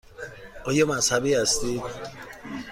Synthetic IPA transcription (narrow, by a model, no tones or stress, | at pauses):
ʔɒːjɒːmæshæbiːhæst̪id̪